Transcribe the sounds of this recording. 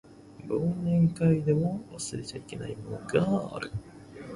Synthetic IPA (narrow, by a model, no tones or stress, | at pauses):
boːnẽ̞ŋkaid̪e̞moβa̰sɨɾe̞t͡ɕaike̞na̰imoɡa̰ɾɯ̟